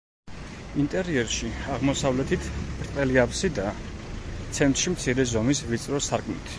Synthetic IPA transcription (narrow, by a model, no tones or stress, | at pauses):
int̪ʼɛɾiɛɾʃiaʁmɔsavlɛt̪ʰit̪ʰb̥ɾt̪ʼɛliapʰsid̪a | t̪sʰɛnt̪ʼɾʃimt̪sʰiɾɛzɔmisvit̪sʼɾɔsaɾkʰmḭt̪ʰ